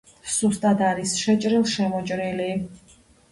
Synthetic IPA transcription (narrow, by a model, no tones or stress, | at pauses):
sust̪ʼad̪aɾisʃɛt͡ʃʼɾilˠʃɛmɔt͡ʃʼɾili